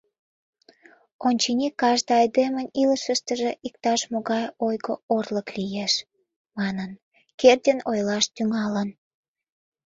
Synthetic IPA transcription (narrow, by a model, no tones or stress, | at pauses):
onʲt͡ɕinʲikːɑʒd̪əɑjd̪eməniləʃəʃt̪əʒeʔik̚t̪ɑʃmoɣɑjojɣoorləklijeʃ | mɑnən | kerd̪ʲenojlɑʃt̪yŋɑlən